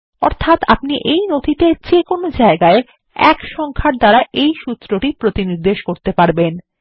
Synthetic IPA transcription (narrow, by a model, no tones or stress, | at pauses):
ɔ̰ɾt̪ʰat̪apniʔejnod̪ʱit̪ed͡ʑekonod͡ʑaeɡae | ɛ̰kʃɔŋkʰaʈd̪aɾaʔejʃut̪ːɾoʈipɾot̪iniɾd̪eʃkoɾt̪epaɾben